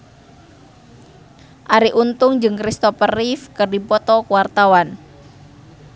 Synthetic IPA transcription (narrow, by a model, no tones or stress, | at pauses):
ʔaɾiʔunt̪ʊŋd͡ʒɨŋkɾist̪ɔpərifkərdipɔt̪ɔkuwart̪awan